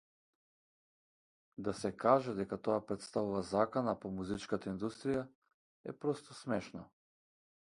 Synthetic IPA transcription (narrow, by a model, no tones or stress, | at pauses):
d̪asɛkaʒɛd̪ɛkat̪oapɾɛt̪st̪avuvazakanapɔmuzit͡ʃkat̪aind̪ust̪ɾija | ɛpɾɔst̪ɔsmɛʃnɔ